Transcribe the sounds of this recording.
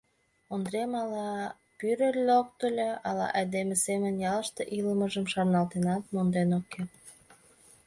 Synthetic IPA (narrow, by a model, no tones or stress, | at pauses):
ond̪ɾemɑlɑ | pyɾəlʲːok̚t̪əlʲeɑlɑ̰ʔejd̪emesemənjɑləʃt̪eʔiləməʒəmʃɑrnɑlt̪enɑt̪̚mond̪enoke